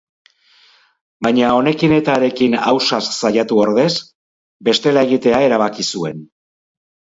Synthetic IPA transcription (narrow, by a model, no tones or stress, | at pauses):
baɲao̞ne̞kine̞t̪aɾe̞kina̰wsasːajat̪uoɾðe̞s | be̞st̪e̞lae̞ɣ̞it̪e̞ae̞ɾaβ̞akisue̞n